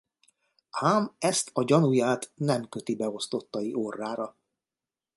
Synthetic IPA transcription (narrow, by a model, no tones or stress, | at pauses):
haːmɛst̪ʰɒɟɒnujaːt̪nɛmkøt̪ibɛo̞st̪o̞t̪ːɒiʔorːaːɾɒ